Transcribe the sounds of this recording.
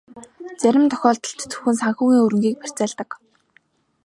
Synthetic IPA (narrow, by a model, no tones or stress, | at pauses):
t͡sæɾʲɪ̆mt̪ʰɔ̥xʲɔːɮt̪ɞ̆ɬt̪t͡sɵ̥xɘ̆nsaŋxuːɣiːŋɵɾɵ̆ŋɡiːk̚pæ̥t͡sæːɮt̪ə̆k